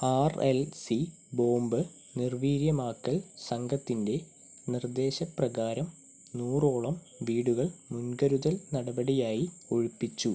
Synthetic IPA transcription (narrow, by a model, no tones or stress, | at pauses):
aːrelsi | bo̞ːmbɨ | nirʋiːɾjɐmaːkːɐlsɐŋɡʱɐt̪ːinde̞ | nird̪e̞ːɕɐprɐɣaːɾɐm | nuːro̞ːɭɐm | ʋiːɽuɣɐɭmunɡɐɾuðɐlnɐɽɐbɐɽijaːji | o̞̰ɻupːit͡ɕːu